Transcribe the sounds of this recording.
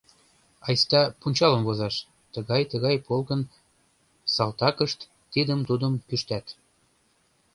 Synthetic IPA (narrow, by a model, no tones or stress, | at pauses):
ɑjst̪ɑpunʲt͡ɕɑlə̆mkozɑʃ | t̪əɣɑjt̪əɣɑjpolkə̆n | sɑlt̪ɑkəʃt̪ːid̪əmt̪ud̪ə̆mpyʃt̪æt̪